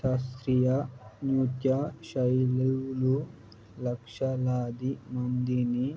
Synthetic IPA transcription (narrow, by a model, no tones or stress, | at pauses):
ʃɐst̪ɾijanuːt̪jaʃɐjlewlu | lɐkʂɐlaːd̪imɐmd̪ini